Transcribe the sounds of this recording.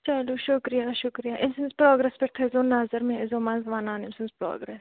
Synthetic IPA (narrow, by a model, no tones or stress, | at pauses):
t͡ʃɐloːʃʊkɾijaːʃʊkɾijaːʔɪmsɪnzpɾoːɡɾɛspɪɾt̪ʰezoːnɐzəɾmẽezoːmaːnzɐʋaːnaːnɪmsɪ̃nzpɾo̰ːɡɾɛːs